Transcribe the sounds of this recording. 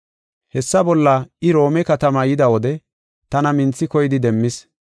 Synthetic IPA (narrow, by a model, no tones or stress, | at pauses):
hɛsːɐbɔlːɐɪɾo̞ːmɛkɐt̪ɐmɐjɪd̪ɐwɔd̪ɛ | t̪ɐnɐmɪnt͡sːɪkɔjɪd̪ɪd̪ɛmːɪs